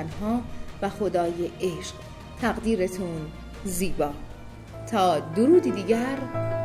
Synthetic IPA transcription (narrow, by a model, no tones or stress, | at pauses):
nɦɒːvæxo̞d̪ɒːjeʔeʃq | t̪ʰæɣd̪iːɾet̪ʰun | ziːbɒː | t̪ʰɒːd̪oɾuːd̪id̪iːɟæɾ